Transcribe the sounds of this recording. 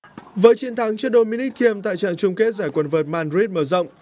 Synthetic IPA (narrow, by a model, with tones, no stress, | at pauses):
vəː˨˦jt͡ɕi˨˦nt̪ʰa˨˦ŋt͡ɕi˧˥ɗo˧mi˧ni˦˥k̚t̪ʰi˧əmt̪a̰ː˧˨jt͡ɕa̰ː˧˨nt͡ɕʊ˧ŋ͡mke˦˥t̚zaː˧˩jkwə˧˩nvəː˨˩t̚maː˧nɹi˦˥t̚məː˧˩zə̰˧˨wŋ͡m